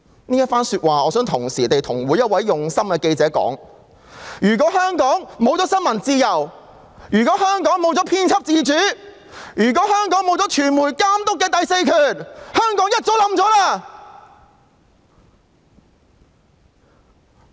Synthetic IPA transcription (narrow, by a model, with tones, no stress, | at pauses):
niː˥jɐ˥t̚faː˥nsyː˧t̚waː˨ɔː˨˧sœː˨˥ŋt̪ʰʊ˨˩ŋsiː˨˩t̪e˨jt̪ʰʊ˨˩ŋwuː˨˥jɐ˥t̚wɐ˨˥jːʊ˨ŋsɐ˥mkɛː˧ke˧jt͡sɛː˨˥kɔ̰ː˨˥ŋ | jyː˨˩kɔː˨˥hœː˥ŋkɔː˨˥ŋmo˨˧wt͡sɔː˨˥sɐ˥nmɐ˨˩nt͡siː˧jɐ˨˩w | jyː˨˩k̬ɔː˨˥hœː˥ŋkɔː˨˥ŋmo˨˧wt͡sɔː˨˥pʰiː˥nt͡sʰɐ˥p̚t͡siː˧t͡ʃyː˨˥ | jyː˨˩k̬ɔː˨˥hœː˥ŋkɔː˨˥ŋmo˨˧wt͡sɔ˨˥t͡ʃʰyː˨˩nmuː˨˩jkaː˥mt̪ʊ˥kːɛː˧t̪ɐ˨jse˧jkʰyː˨˩nhœː˥ŋkɔː˨˥ŋjɐ˥t̚t͡so˨˥wlɐ˨˥mt͡sɔː˨˥laː˧˩